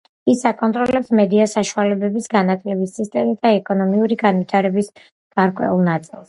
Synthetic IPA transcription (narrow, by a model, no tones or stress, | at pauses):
isakʼɔnt̪ʼɾɔlɛpsmɛd̪iasaʃualɛbɛbisɡanat̪ʰlɛbisist̪ʼɛmisd̪aɛkʼɔnɔmiuɾiɡanvit̪ʰaɾɛbis | ɡ̥aɾkʼwɛ̰ulˠnat̪sʼilˠs